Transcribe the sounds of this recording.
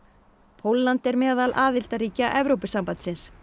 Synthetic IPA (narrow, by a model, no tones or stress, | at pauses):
pʰowlːant̪ɛɾmɛːðalʔaːðɪl̥t̪aɾiːcaʔɛvɾowpɪsampant̪sɪns